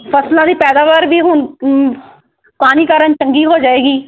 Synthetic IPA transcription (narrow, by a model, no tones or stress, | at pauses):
pʰəslãːd̪iːpɛːd̪aːʋaːɾʋiːɦʊn | kaːniːkaːɾənt͡ʃəŋɡiːɦoːd͡ʒaːeːɡiː